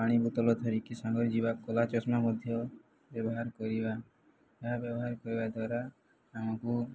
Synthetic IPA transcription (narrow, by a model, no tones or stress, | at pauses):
paɽ̃ibut̪ɔlɔt̪ʰɔɾikisaŋɡɔɾd͡ʒibakɔlat͡ʃɔsmamɔd̪ʱjɔ | bjɔbɔɦaɾkɔɾiba | aɦabjɔbɔɦaɾkɔɾibad̪waɾaː | mɔku